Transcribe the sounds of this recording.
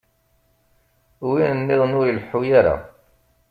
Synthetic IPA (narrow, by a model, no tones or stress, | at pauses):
winənːɪðˤnujəlħujaɾa̰